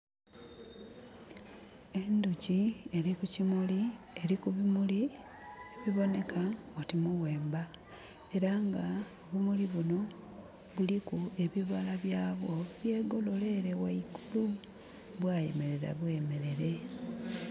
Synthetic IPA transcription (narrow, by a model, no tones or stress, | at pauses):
e̞nducie̞ɾikucimuli | eɾikuβimuli | eβiβo̞ne̞kʰa | otimuɣwe̞ːmba | e̞ɾaŋɡaoβumuliβuno̞ | βulikue̞βiβalaβjaːβo̞βje̞ːɡo̞lo̞le̞ɾe̞waikulu | βwajḛme̞ɾe̞ɾa̰βwe̞me̞ɾe̞ɾe̞